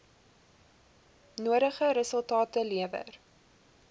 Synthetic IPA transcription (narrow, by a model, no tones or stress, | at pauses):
nuəɾəχəɾəsəlˠtɑːtəliəvə̰r